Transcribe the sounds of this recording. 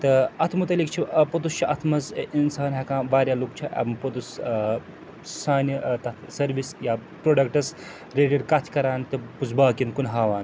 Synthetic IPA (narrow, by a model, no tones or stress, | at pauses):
t̪ɨɐt̪ʰmt̪ɐlik̚t͡ʃʰipɐt̪ust͡ʃʰiʔɐt̪ʰmɐzinsaːnɦɐkãːʋaːɾʲjaːluk̚t͡ʃʰiʔɐ̰bmpɐt̪us | saːnɐt̪ɐt̪ʰsɐɾʋisjaːpɾoːɖɐk̚ʈɐs | ɾeːʈɐɖkɐt̪ʰkɐɾaːnt̪ɨpusbaːkinkunɦaːʋaːn